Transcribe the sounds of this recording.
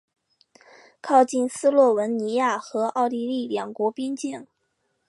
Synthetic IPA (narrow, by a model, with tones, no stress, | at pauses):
kʰɑ˥˧ʊt͡ɕi˥˩˧nsɹ̩˥lwɔ˥˩wə˧˥nni˧˥ja˥˩xɤ˧˥ɑ˥˩ʊli˥˧li˥˩ljɑ˨˩ŋkwɔ˧˥pi˥nt͡ɕjɛ˥˩n